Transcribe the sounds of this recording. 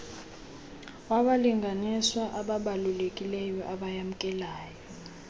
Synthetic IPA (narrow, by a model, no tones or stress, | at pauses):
waɓaliŋɡʱaniswaʔaɓaɓalulekʼilɛjɔʔaɓajam̩kʼɛlaːjɔ